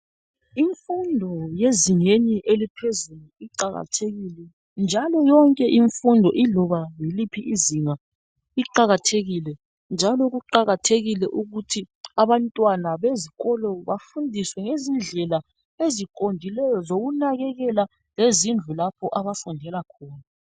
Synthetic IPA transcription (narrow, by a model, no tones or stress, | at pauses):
iɱfundʱɔjeziŋeɲiʔelipʰezuluiǃaɣa̰tʰeɣilɛ | nd͡ʒʱalɔjɔŋkʼɛʔiɱfundʱɔʔilɔβajilipʰiʔiziŋa | iǃaɣatʰeɣilɛ | nd͡ʒʱalɔɣuǃaɣatʰeɣilɛʔuɣutʰiaβantʼwanaβeziɣɔlɔβafundʱiswɛŋezind͡ɮʱɛla | ezikʼondʱilɛjɔzoɣunaɣɛɣɛla | lezind͡ɮʱulapʰɔʔaβafundʱɛlakʰɔːna